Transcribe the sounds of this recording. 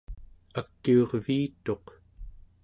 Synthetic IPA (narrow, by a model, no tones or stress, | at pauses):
akːioʁviːt̪o̞q